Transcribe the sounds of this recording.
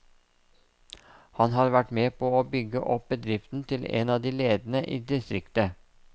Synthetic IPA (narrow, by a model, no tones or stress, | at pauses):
hɑnɦɑːɾʋæʈmeːpʰoːoːbʏɡəʔɔp̚bəd̪ɾɪft̪n̩t̪ʰɪlḛːnɑːd̪iːleːd̪n̩əʔiːd̪ɪst̪ɾɪkt̪ə